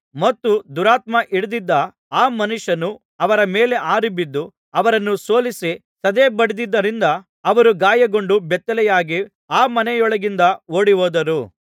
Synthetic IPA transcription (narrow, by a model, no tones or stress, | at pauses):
mɐt̪ːud̪uɾaːt̪mɐʔiɽud̪id̪ːɐ | aːmɐnuʂɐnu | ɐʋɐɾɐmeːleʔaːɾibid̪ːu | ɐʋɐɾɐnːuso̞ːlisi | sɐd̪eːbɐɽid̪id̪ːɐɾind̪ɐː | ʋɐɾuɡaːjɐɡo̞ɳɖubɛt̪ːɐlɛjaːɡi | aːmɐnɛjɔɭɐɡind̪ɐoːɽiʋoːd̪ɐɾu